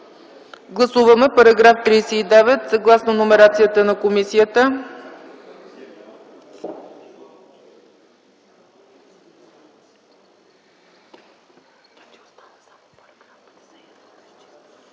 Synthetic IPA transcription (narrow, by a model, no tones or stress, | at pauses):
ɡlˠɐsuvəmɛpɐɾɐɡɾaft̪ɾijsɛid̪ɛvɛt̪sɐɡlˠasnonomɛɾat̪sijət̪ənɐkomisijət̪ə